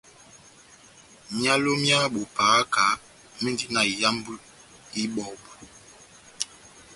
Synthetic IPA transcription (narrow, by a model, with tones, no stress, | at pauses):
mja˦lo˦mja˦ɓo˨paː˨˦ka˨˦ | mi˦n˦di˦na˨i˨ja˦m˦bu˦ | i˦ɓɔ˨ɓu˨